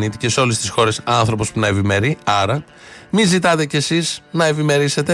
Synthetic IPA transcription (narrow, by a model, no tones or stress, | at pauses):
nit̪ice̞seo̞le̞st̪isxo̞ɾe̞sɐnθɾo̞po̞spunɐevime̞ɾiɐɾɐ | mizit̪ɐt̪e̞ce̞siznɐe̞vime̞ɾise̞t̪e̞